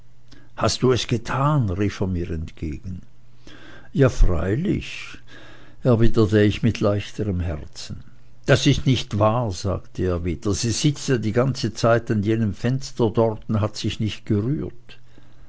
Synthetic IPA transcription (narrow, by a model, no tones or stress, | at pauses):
hastd̥uːɛsɡ̥ətʰaːnʁiːfeːɐmiːʁɛntɡ̥ḛːɡ̥n̩ | jaːfʁa̰ɪlɪ̰ç | ɛɐvidətəɪçmɪtʰlaɪçtəʁəmɦɛʁt͡sn̩ | d̥asɪstnɪçtv̥aːɐza̰ːktʰəeːɐviːd̥ɐz̥iːz̥ɪt͡sadiːɡant͡sət͡saɪtanjeːnəmfɛnstɐdɔʁtʊntɦatz̥ɪçnɪçt̚ɡ̥əʁyːɐt